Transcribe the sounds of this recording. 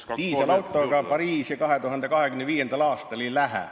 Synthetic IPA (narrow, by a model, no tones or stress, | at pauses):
t̪iːsɑlɑwt̪ːˑoɡ̥ɑpɑɾiːsjɑkɑɦe̞t̪uɦɑnd̪ekɑɦekymneviːje̞nd̪̥ɑlɑːst̪ɑlilæɦæ̰